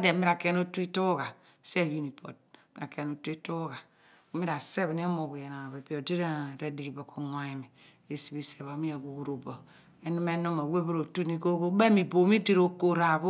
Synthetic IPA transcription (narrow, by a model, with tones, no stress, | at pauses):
a˦de˨mi˦ɾa˨ke˦no˦tu˦i˦to˦ɡa˨ | se˦˨ju˦ni˨pʰo̰˨d̚i˦a˨ke˦˨no˨tu˦i˦to˦ɡa˨˦ | mi˦ɾa˨se˦βni˦a˦mo˨ɡu˨je˨na˨a˨βe˨pi˦o˨di˦ɾe˦˨ɾe˦di˨ɾi˨bo˨ko˨ŋ˨a˨i˨mi˨ | e˨si˨bi˨se˨βa˨˦mi˦a˨ɡu˨wu˦˨ɾo˨bɔ˨ | e˦nu˦me˦no˦ma˨we˦bo˦ɾo˨tu˦ni˦ko˦ɡo˦be˦mi˨bo˨mi˦di˦ɾo˦ko˨ɾa˨βu˦